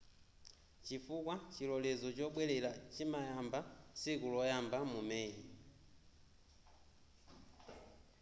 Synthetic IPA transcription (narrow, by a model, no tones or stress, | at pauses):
t͡ʃifukwat͡ʃilɔlɛzɔt͡ʃɔɓwɛlɛlat͡ʃimajambasikulɔjambamumɛɲi